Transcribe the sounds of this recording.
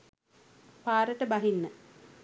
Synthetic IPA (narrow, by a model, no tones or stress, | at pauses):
paːɾəʈəbaɦinːə